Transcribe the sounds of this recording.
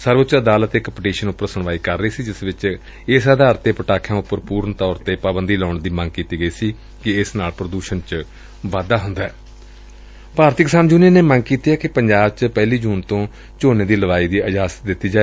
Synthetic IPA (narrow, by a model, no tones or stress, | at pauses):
səɾʋʊt͡ʃəd̪aːlət̪ekəpɪʈiːʃənʊpːəɾsəɳʋaːiːkəɾːəiːsiːd͡ʒɪsʋɪt͡ʃ | ɪsəd̪aːɾt̪eːpəʈaːkʰjãːʊpːəɾpuːɾəɳt̪ɔːɾt̪eːpaːbənd̪iːlɔːɳd̪iːmə̃ŋɡ̚kiːt̪iːɡəiːsiː | kɪɪsnaːlpɾəd̪uːʃənt͡ʃ | ʋaːd̪aːɦʊnd̪aːɛː | paːɾt̪ɪkɪsaːnd͡ʒuːneːneːmə̃ŋɡ̚kiːt̪iːɦɛːkɪpəɲd͡ʒaːbt͡ʃpɛːliːd͡ʒuːnt̪õː | t͡ʃoːneːd̪iːləʋaːiːd̪iːəd͡ʒaːst̪d̪ɪt̪ːiːd͡ʒaːe